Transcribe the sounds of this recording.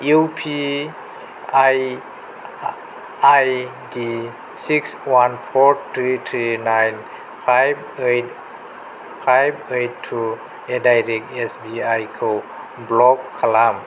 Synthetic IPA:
uwpʰi | aj | aj | di | sikswanpʰɔɾtʰɾit̪ʰɾinajn | pʰajb | ejt̚ | pʰajbejttʰːu | edajɾɛk̚tesbiajkʰow | blɔk̚kʰːalam

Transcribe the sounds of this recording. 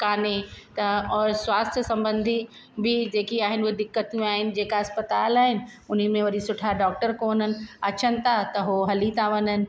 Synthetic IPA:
kaːnet̪ɐɔːɾswaːst̪ʰjəsɐ̃mbə̃nd̪ʱi | bʱɪd͡ʑeːkiaːɦɪnɪoɦed̪ɪkːət̪ijũaːɦɪnɪ̆d͡ʑeːkaɐspət̪aːlaːɦɪnɪ̆ʊn̤imẽʋɐɾisʊʈʰaɖɔːk̚ʈəɾkoːnənɪ̆ɐt͡ɕənɪ̆t̪ʰat̪ɐɦoɦɐlit̪aːʋənənɪ̆

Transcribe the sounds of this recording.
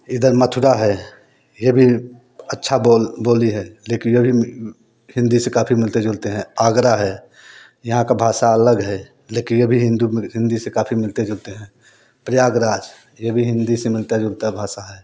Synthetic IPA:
ɪd̪əɾmət̪ʰʊɾaɦɛ | jebʱi | ɐtːʃʰaboboːliɦɛleːkɪnjebʱi | hɪ̃nd̪isekaːpʰimɪlt̪ed͡ʒʊlt̪eɦɛ̃aːɡɾaɦɛː | jɐɦãkabʱaːsaɐləɡɦɛ | leːkɪnjebʱiɦɪ̃nd̪uɦɪ̃nd̪isekaːpʰimɪlt̪ed͡ʒʊlt̪eɦɛ̃ː | pɾɪjaːɡɾaːd͡ʒ | jebʱiɦɪ̃nd̪isemɪlt̪ed͡ʒʊlt̪abʱaːsaɦɛː

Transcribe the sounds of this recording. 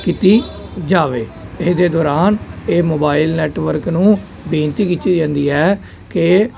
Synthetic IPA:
kit̪iːd͡ʒaːʋeːɪsd̪eːd̪ɔːɾaːneːmoːbaːilnɛːʈʋəɾknũː | bẽːnt̪iːkitt͡ʃiːd͡ʒãːnd̪iːɛː | ke

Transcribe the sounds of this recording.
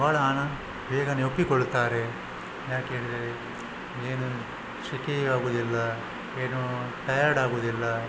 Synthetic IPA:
baːɭɐaːnɐ | beːɡɐneopːikɔɭt̪aːɾe̞ | jaːkɦeːɭid̪ɾe | eːnu | ʃikeaːɡuːd̪ilːɐ | eːnuʈɐjaɾɽaːɡuːd̪ilːɐ

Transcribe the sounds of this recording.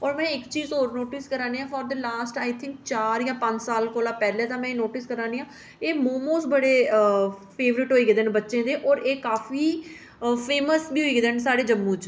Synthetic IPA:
ɔːɾmɛ̃ːɪkt͡ʃiːzɦoːɾnoːʈɪskəɾãːneːãːfʰɔːɾd̪əlaːsʈaːɪt̪ʰɪ̃ŋk̚t͡ʃaːɾjãːpə̃ɲd͡ʒsaːlkoːlaːpɛːlɛ̃ːt̪ãːmɛ̃ːnoːʈɪskəɾaːniːãː | eːmoːmoːsʈbəɽeː | pʰeːʋɾɪʈɦoːiːɡeːd̪ɪnbətːʃẽːd̪eːʔɔːɾeːkaːfiː | pʰeːməsbiːɦoiːɡeːd̪ənsaːɽeːd͡ʒəmːũːt͡ʃ

